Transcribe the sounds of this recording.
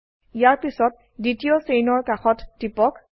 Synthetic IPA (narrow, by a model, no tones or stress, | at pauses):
ijaɹpisɔt̚ | ditijosejnɔɹkaxɔtːipɔk